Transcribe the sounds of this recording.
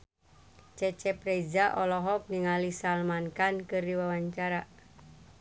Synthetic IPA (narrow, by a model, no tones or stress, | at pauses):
t͡ʃɛt͡ʃɛpɾeid͡ʒaʔɔlɔɦɔp̚niŋalisalmankankɨrdiwawaɲt͡ʃaɾa